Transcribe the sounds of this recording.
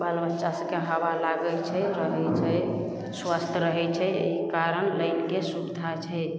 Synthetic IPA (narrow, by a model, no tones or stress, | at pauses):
balbətːʃasəkeɦəbalaɡəlt͡ʃʰɛɾəɦɛt͡ʃʰɛ | swast̪ʰɾəɦɛt͡ʃʰɛḛɦikaɾənləjnkesubid̪ʱat͡ʃʰɛ